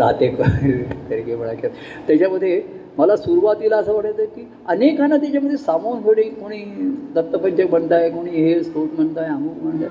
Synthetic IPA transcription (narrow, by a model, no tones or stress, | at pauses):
ɾa̰t̪eʈt̪eɾɡepəɽaka | t̪jat͡ɕaməd̪ʱːjeməlasuɾuʋat̪ilaəsəʋəʈət̪əkiː | ənekanːat̪̬jat͡ɕjaməd̪ʱːjesamonfəɽikoɽ̃iːd̪ət̪ːəpəɲt͡ɕəkb̤əɳt̪ajkoɽ̃iːɦeskoʈm̤əɳt̪ajamuːkməɳd͡ʑa